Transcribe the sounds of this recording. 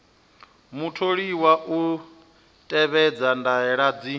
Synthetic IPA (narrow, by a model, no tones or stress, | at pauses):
mutʰoɺiwaʔu | tʼɛβɛd͡zandaɛɺad͡zi